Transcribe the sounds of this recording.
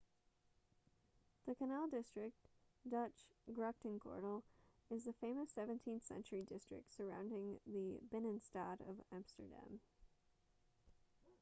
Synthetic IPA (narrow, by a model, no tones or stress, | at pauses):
ðɨkʰɨnælˠdɪstɹ̥ɨk̚t | d̥ʌt͡ʃɡ̥ɹɛk̚tɨ̃nkʰɔ̰ɹɾl̩ˠ | ɨzðɨfẽɪ̃mɨsɛvɨ̃ntʰĩnθsɛ̰̃nt͡ʃə˞idɪstɹ̥ɨ̰k̚tsə˞ãʊ̃ndɪ̃ŋðɨbɛnɨ̃nstɑɾʌ̰væ̃mstə̰˞dæ̰̃m